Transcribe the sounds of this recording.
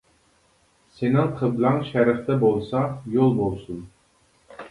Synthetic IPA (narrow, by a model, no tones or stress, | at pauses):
senɪŋqʰəblˠɑŋʃæɾɨχt̪ɛbolˠsɑjolˠbolˠsun